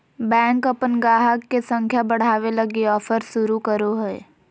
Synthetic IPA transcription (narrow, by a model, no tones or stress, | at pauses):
bɛ̃ːŋkɐpənɡaːɦəkːesə̃ŋkʰjabəɽ̤aːʋelɐɡiɔːfʰəɾʃʊɾukəɾoɦɛː